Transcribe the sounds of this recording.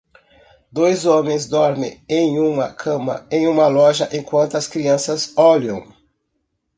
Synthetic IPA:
d̪ojzõmẽj̃zd̪ɔɾmḛ̃ẽj̃ũmɐkʰɐ̃mɐ̰ẽj̃ũmɐlɔʒɐʔẽkwɐ̃nt̪ʊɐskɾiɐ̃sɐzɔlɐ̃w̃

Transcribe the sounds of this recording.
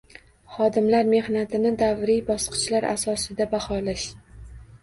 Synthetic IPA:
χɒd̪ɪmlaɾme̞hnat̪ʰɪnɪd̪avɾijbɒsqʰɨ̥t͡ʃlaɾʔa̰sɒsɪd̪abahɒlaʃ

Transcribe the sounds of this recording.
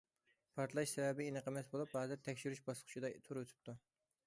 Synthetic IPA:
pʰɑɾt̪ʰlˠɑʃsɛvɛbɪinɨqʰəmɛsbolˠuphɑːzɨɾt̪ʰɛkʲʃyɾyʃbɑslˠqʰʊ̥t͡ʃʰid̪ɑt̪ʰuɾøt̪ʰy̥p̚t̪ʰu

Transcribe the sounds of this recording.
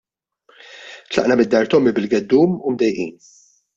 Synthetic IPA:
t̪lɐ̰ʔnɐmɪd̪ːɐɾt̪ɔmːibɪlɡɛd̪ːuːmumd̪ɛjʔḭːn

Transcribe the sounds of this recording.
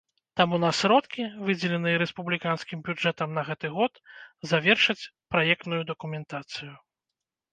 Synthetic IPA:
t̪amunɐsɾɔt̪kʲivɨd͡zʲɛlʲɛnɨjɛɾɛspublʲikanskʲimbʲud͡ʐɛt̪ɐmnɐɣɛt̪ɨɣɔt̪zavʲɛrʂɐt͡sʲpɾajɛk̚t̪nujud̪ɐkumʲɛnt̪at̪sɨju

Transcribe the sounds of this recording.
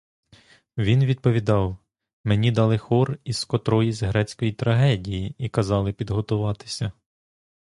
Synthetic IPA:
ʋʲinʋʲid̪̚pɔʋʲid̪ɑw | menʲid̪ɑlˠɪxɔriskɔt̪ɾɔjizɦɾɛt͡sʲkɔjit̪ɾɐɦɛdʲijiikɐzɑlˠɪpʲid̪ɦɔt̪ʊʋɑt̪ɪ̥sʲɐ

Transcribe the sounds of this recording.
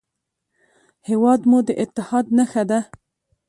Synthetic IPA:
hewɑd̪mud̪əʔɪt̪ːɪhɑd̪̚naxad̪a

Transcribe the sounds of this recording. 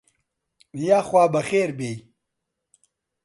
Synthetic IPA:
jaːxwaːbɐxeːɾbej

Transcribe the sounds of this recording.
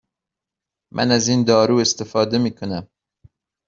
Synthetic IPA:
mʔæ̰næziːnd̪ɒːɾuːest̪efɒːd̪emiːkʰonæm

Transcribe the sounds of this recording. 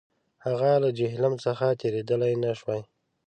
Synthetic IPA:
haɣalad͡ʒɪɦlamsəxat̪ʰeɾed̪əlajnaʃwaj

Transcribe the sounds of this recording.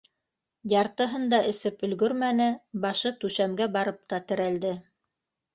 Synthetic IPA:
jɑɾt̪ɤ̆ɦɤnd̪ɑɘ̆sɘpɵ̆lɡɵɾmænɘbɑʃɤt̪ʉʃæmɡæbɑɾɤp̚t̪ɑt̪ɘ̆ɾæld̪ɘ

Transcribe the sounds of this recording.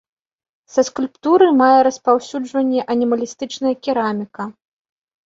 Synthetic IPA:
sɐskulʲpt̪uɾɨmajɛɾɐspawsʲud͡ʐvɐnʲːɛʔɐnʲimɐlʲist̪ɨt͡ʂnɐjɐkʲiɾamʲikɐ

